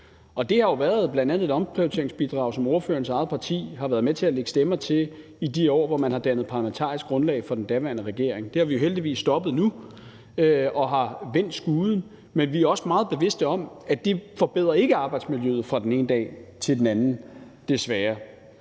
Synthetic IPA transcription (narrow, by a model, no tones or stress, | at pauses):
ɒ̽d̥e̝hɑ̈jo̝ʋæːɐðˠb̥lænd̥ænðˠed̥ɒ̽mpʰʁiʊt͡sʰe̝ɐeŋsb̥id̥ʁɑ̈ʊsɒ̽moɐføɐnəsɑ̈ð̩ˠpʰɑ̈t͡sʰḭːɦɑ̈ʋæːɐð̞ˠmet͡sʰe̝æleɡ̥əsd̥emɐt͡sʰe̝ | id̥iɒ̰ːʋɒmænhɑ̈d̥ænð̩ˠpʰɑ̈læment͡sʰɑ̰̈ːisɡ̥ɡ̥ʁɔ̽nlɛ̰ɪfɒ̽d̥end̥æʋæɐnəʁɛɡ̥e̝̰ɐeŋd̥e̝hɑ̈ʋiuɦeld̥iʋḭːsːd̥ɒ̽b̥ð̞̩ˠnu | øɒ̽ɦɑ̈ʋen̰d̥sɡ̥uːð̩ˠn̩ | menʋiæɐɒ̽smɑ̈ːð̞̩ˠb̥e̝ʋe̝sd̥əɒ̽m | æd̥efɒ̽b̥e̝ð̰ˠʁɐe̝ɡ̥əɑ̈ːb̥ɑ̈ɪd̥smiljøð̩ˠfʁɑ̈d̥ene̝ːnəd̥ɛ̰ːt͡sʰe̝ld̥enænn̩ | d̥e̝sʋæːɐ